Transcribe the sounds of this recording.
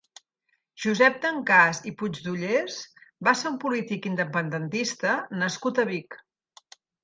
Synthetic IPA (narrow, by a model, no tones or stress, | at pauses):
ʒ̥uzɛp̚d̪əŋkazipud͡ʒd̪uʎesbaseumpulit̪ikind̪əpənd̪ənt̪ist̪ənəskut̪əβik